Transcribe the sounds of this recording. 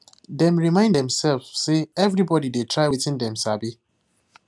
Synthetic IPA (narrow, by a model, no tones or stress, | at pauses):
dɛ̃mɹimãɪ̃ndɛ̃msɛlfseɛvɹibɔdidetʰɹaɪwetĩndɛ̃msabi